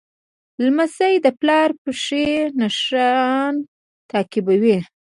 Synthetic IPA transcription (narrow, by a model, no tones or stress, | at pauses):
lmazajd̪əplɑɾpəʂenaʂɑn | t̪ɑkɪbawi